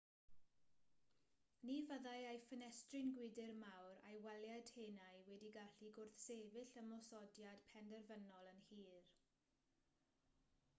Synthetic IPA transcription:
nivəðajajfənɛstrɪnɡwɪdɪrmawɾa̰jwɛljad̥heːnajwɛdiɡaɬiɡʊrθseːvɪɬəmɔsɔdjad̥pʰɛndɛrvənɔlˠənhiːr

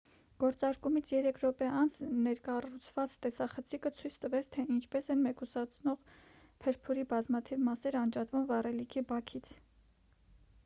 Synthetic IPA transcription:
ɡ̥ɔɾt͡sɑɾkumit͡sʰjɛɾɛkʰɾɔpɛʔɑnt͡sʰnɛɾkɑrut͡sʰv̥ɑt͡st̪ɛsɑχət͡sʰikət͡sʰujt͡sʰt̪əvɛt͡sʰt̪ʰɛint͡ʃʰpɛsɛnmɛkusɑt͡sʰnɔʁ | pʰɛɾpʰuɾibɑzmɑt̪ʰivmɑsɛɾɑnd͡ʒɑt̪vumvɑrɛlikʰibɑkʰit͡sʰ

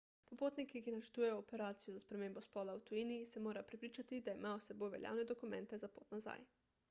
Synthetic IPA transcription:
popoːt̪nikikinat͡ʃɛɾt̪ujejoːpɛɾaːt̪sijozaspɾɛmeːmbospɔːlawt̪uinijisɛmoːɾapɾepɾiːt͡ʃat̪id̪aimaːosɛbojʋɛ̰lja̰wnɛd̪okumɛ̃nt̪ɛzapo̰ːt̪naza̰j

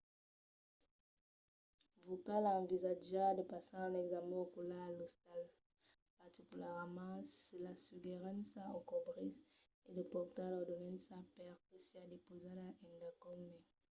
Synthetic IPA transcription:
vokalɑ̃vizaʒad̪əpasɑ̃ãlɛɡzamɛ̃okulaːlost̪al | paʁt̪ikʲylɛʁmɑ̃selasyɡeʁãnsaokɔbʁis | edəpɔʁt̪alɔd̪ɔnɛnsapɛʁkəsiad̪epozadaʔɛ̃nd̪akɔmɛ

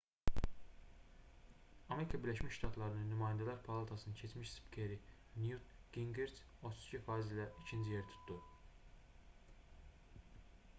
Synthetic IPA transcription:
ɑme̞ɾikʰɑbiɾlæʃmiʃʃt̪ɑt̪ʰlˠɑɾɯnɯnːymɑːjænd̪ælæɾpʰɑlˠɑat̪ʰɑsɯnɯncʰet͡ʃmiʃspcʰeɾinjut̪ɡ̥iŋɡeɾs | ot̪ʰuz̥cʰifɑːizilæʔicʰind͡ʒijeɾit̪ʰu̥t̪ʰd̪u

